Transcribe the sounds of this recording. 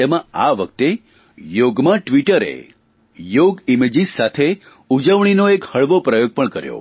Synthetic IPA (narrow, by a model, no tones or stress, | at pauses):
t̪emãaʋək̚t̪e | joɡmãʈʋiʈəɾḛ | joɡimed͡ʒissat̪ʰe | ud͡ʒəʋɳ̃inoekhəɭʋopɾəjoɡ̚pəɳkəɾjo̰